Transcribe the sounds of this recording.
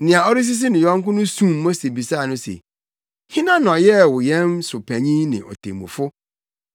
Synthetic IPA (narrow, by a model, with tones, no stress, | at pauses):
nɪ̃˨a˨ɔ˦ɾɪ˦s̬ɪ˦s̬ɪ˦nɪ̃˨jɔ̃˦ŋ˦kʊ̃˦nʊ̃˦sũ˦˨mː˦ɔ̃˦se˨bi˨sa˦˨nʊ̃˦sḛ˨ | hɪ̃˦nã˦n˨ɔ˨jɛ˦wʊ˨jɛ̃˦nsʊ˨pʰæ˨ɲĩ˦nɪ̰̃˨ʔɔ̰˨tʰḛ˨mṵ̃˨fʊ˦